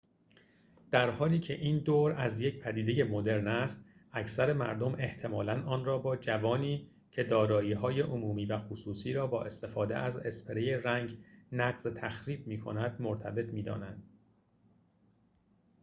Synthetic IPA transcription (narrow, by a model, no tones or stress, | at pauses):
d̪̥æɾhɒːliːcʰe̞ʔiːnd̪oːɾæzje̞cpʰæd̪iːd̪e̞je̞mod̪e̞ɾnæst̪æcʰsæɾe̞mæ̰ɾd̪o̞me̞ht̪ʰe̞mɒːlænʔɒːnrɒːbɒːd͡ʒævɒːniː | cʰe̞d̪ɒːɾɒːiːɦɒːje̞ʔomuːmiːvæxosuːsiːɾɒːbɒːʔe̞st̪e̞fɒːd̪ḛʔæze̞spʰeɾejeræŋɟnæɣzet̪ʰæxɾiːb̚miːkʰo̞̰næd̪moɾt̪ʰæbe̞t̪ʰmiːd̪ɒ̰ːnænd̪̥